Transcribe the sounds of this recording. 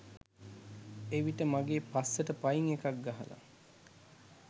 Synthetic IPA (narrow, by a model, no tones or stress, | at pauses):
eʋiʈəmaɡeːpasːəʈəpaiŋekak̚ɡaɦə̰la̰